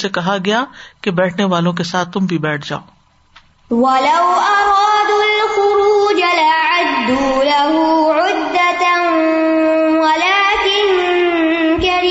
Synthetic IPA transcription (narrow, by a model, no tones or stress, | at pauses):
sekɐɦaɡɐjakebɛːʈʰneʋaːlõk̬esaːt̪̚ʰːʊmbʱibɛːʈʰd͡ʒa̰ːoː | wɐlɐwʔɑɾˤɑːd̪alxʊɾuːd͡ʒalaʕad̪ːulaɦuʕʊd̪ːat | walaːkɪn | kaɾi